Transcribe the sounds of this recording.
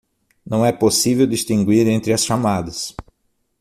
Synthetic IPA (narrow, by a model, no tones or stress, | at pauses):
nɐ̃w̃ɛposivewd̪ist̪ĩŋɡwiɾẽnt̪ɾɪɐsʃamad̪ɐs